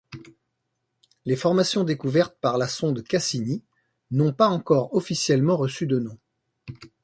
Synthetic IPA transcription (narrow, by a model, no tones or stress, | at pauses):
lefɔʁmasjɔ̃d̪ekuvɛʁt̪̚paʁlasɔ̃d̪kasini | nɔ̃paɑ̃kɔʁɔfisjɛlmɑ̃ʁəsyd̪ənɔ̃